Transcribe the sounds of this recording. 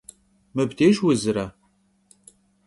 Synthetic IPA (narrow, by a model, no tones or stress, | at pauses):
mɨbdeːʒwʊzɨɾɐ